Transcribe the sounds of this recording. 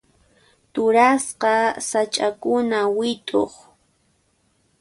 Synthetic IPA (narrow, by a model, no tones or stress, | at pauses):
t̪ʊɾasqɑsat͡ʃʼakʊnawɪt̪ʼo̰χ